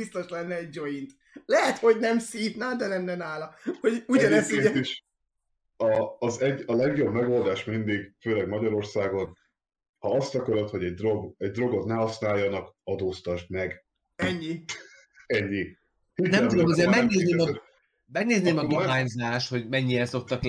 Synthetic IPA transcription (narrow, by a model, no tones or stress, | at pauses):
bist̪o̞ʃlɛnːɛɛɟ̚d͡ʒoint̪ | lɛɦɛt̪ho̞ɟnɛmsiːvnaːld̪ɛnɛmːɛnaːlɒho̞ɟuɟɒnɛseiʃ | ɒːzɛɟɒlɛɡjo̞bmɛɡo̞ld̪aːʃmind̪iɡføːlɛɡmɒɟɒɾo̞rsaːɡo̞n | hɒɒst̪ɒkøɾot̪ho̞ɟɛɟ̚d̪ro̞ɡɛɟ̚d̪ro̞ɡot̪nɛhɒsnaːjːɒnɒkɒd̪oːst̪ɒʃmɛɡ | ɛɲːi | ɛɲːi | høt̪nɛmt̪ud̪omɒzeːɾmɛɡ̚neːzneːmɒ | mɛɡneːzneːmɒd̪oɦaːɲzaːʃt̪ho̞ɟmɛɲːijɛnso̞k̚t̪ɒk